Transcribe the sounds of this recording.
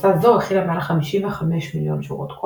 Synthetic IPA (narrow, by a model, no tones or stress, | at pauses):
t̪azoʁeχilamaʕalaχamiʃiveχameʃmiljonʃiʁot̪kʰo